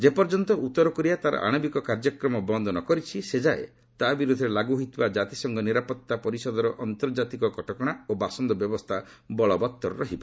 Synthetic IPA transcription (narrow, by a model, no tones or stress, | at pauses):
d͡ʒepɔɾd͡ʒɔnt̪ɔʔut̪ːɔɾɔkɔɾiat̪aɾɔ̰ʔa̰ɽ̃ɔbikɔkaɾd͡ʒɔkɾɔmɔbɔnd̪ɔnɔkɔɾit͡ʃʰised͡ʒaḛ | t̪abiɾud̪ʱːɔɾelaɡuɦit̪ibad͡ʒat̪isɔŋɡɔniɾapɔt̪ːapɔɾisɔd̪ɔɾɔʔɔnt̪ɔɾd͡ʒat̪ikɔkɔʈɔkɔɽ̃aobasɔnd̪ɔbjɔbɔst̪ʰa | bɔɭɔbɔt̪ːɔɾɾɔɦibɔ